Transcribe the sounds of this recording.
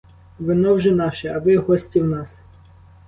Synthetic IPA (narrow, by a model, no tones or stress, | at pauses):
ʋɪnɔwʒɛnɑʃɛɐʋɪɦɔsʲtʲiwnɑs